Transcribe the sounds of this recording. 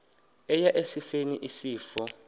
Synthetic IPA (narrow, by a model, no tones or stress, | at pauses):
ɛjaʔesifenḭʔisiːfɔ